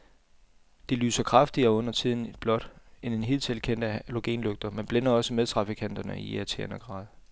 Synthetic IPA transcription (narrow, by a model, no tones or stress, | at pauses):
d̥e̝ly̰ːsɐkʰʁɑ̈fd̥iɐɔ̽n̰ɐt͡sʰið̞̰ˠn̩ed̥b̥lɒ̽d̥ene̝nɦið̰ˠt͡sʰelkʰen̰d̥ælo̝ɡ̥ḛːnløɡ̥̚d̥ɐmenb̥lenɐɒ̽səmeðˠt͡sʰʁɑ̈fikʰæn̰d̥ɐnəieɐt͡sʰḛɐnɐɡ̥ʁɑ̈ːð̞ˠ